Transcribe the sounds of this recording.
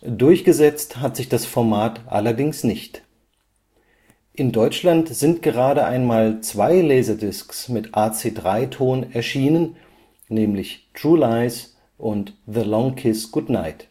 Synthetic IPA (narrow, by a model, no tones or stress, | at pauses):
dʊɐçɡ̥əzɛt͡sthatz̥ɪçd̥asfɔɐmaːtʔa̰lɐdɪŋsnɪçt | ʔɪndɔʏt͡ʃlantz̥ɪntɡ̥əʁaːɾəʔa̰ɪnmaːlt͡sv̥aɪlɛːzɐdɪsksmɪtʔaːt͡seːdʁaɪtʰoːnnɛɐʃiːnən | nɛːmlɪçtʁ̥uːlaɪs | ʔʊntðəlɔŋkʰɪsɡ̥ʊdna̰ɪt